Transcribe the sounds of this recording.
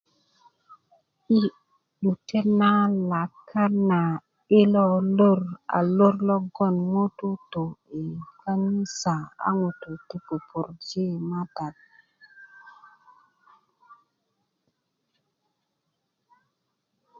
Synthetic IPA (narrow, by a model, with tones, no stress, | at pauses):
i˦ | ɗu˨te˦na˦la˨kʰːa˦na˨ | i˦lo˦lo˦ɾa̰˨lo˦ɾlɔ˦ɡɔ˦˨nŋo˦tu˦to˨e˨ka˦ni˦sa˨a̰˦ŋo˨tu˨ti˦po˨pu˨ɾd͡ʒe˦ma˦da˨t̚